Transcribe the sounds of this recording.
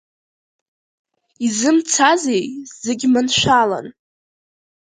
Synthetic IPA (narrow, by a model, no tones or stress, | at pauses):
izɨmt͡sʰazejzeɡʲmɨnʃʷala̰n